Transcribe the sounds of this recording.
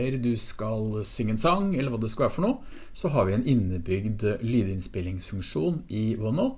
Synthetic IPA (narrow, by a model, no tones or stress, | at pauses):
əɾd̪ʉskɑlsʏŋːəɛnsɑŋɛləɾʋɑːd̪ɛskɑlʋæːɾəfɔɳoː | sɔɦɑɾʋɪɛnʔɪnːəbʏɡd̪lyːd̪əɪnspɪlɪŋsfʉŋkʂuːnɪwʊnɑt̪